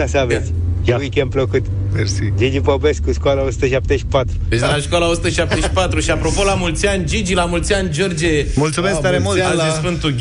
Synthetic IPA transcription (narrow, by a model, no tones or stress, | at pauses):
savet̪sʲjawikʲenpləkut̪ | peɾsid͡ʒid͡ʒipobeskːuʃkoalaosu̥t̪əʃap̚t̪eʃi̥pat̪ɾud̪et͡ʃd̪laʃkwalaosu̥t̪əʃap̚t̪eʃi̥pat̪ɾuʃiapɾo̞po̞lamult̪siand͡ʒid͡ʒilamult̪siand͡ʒord͡ʒemult̪sumest̪aɾemuisfɨnt̪uɡʲ